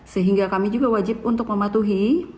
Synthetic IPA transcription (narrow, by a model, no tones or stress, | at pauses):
səɦiŋɡakamid͡ʒuɡawad͡ʒɪp̚unt̪ʊk̚məmat̪uɦi